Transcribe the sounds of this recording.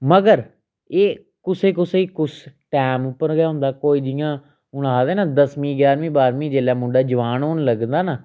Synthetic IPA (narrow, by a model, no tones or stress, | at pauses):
məɡəɾ | eː | kʊseːkʊseːikʊsʈɛːmʊpːəɾɡjaːɦʊ̃nd̪aːkoːiːd͡ʒɪjãː | ʊɽaːd̪eːnaːd̪əsmĩːɡjaːɾmĩːbaːɾmĩːd͡ʒeːlaːmʊ̃ɖaːd͡ʒəʋaːnɦoːnləɡnd̪aːnaː